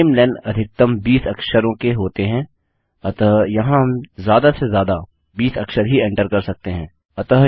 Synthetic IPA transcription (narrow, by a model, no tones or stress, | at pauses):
ɪmlɛ̃ːɳɖɐd̪ʱɪk̚t̪əmbiːsɐkʃəɾõkeɦoːt̪eɦɛ̃ː | ɐt̪əjɐɦãɦɐmzjaːd̪asezjaːd̪a | biːsɐkʃəɾɦiɛ̃ɳʈəɾkɐɾsɐk̚t̪eɦɛ̃ː | ɐt̪əɦ